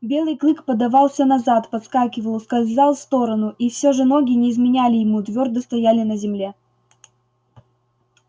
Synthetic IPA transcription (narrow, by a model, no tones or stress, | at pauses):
bʲe̞lˠɨjklˠɨkpəd̪ɐvɑlˠsʲənɐzat̪pɐt̪skakʲɪvəlˠskɐlʲzalˠfst̪o̞ɾənʊʔifsʲoʐɨnoɡʲɪnʲɪːzmʲɪnʲælʲɪjɪmut̪vʲo̞rd̪əst̪ɐjalʲɪnəzʲɪmlʲe̞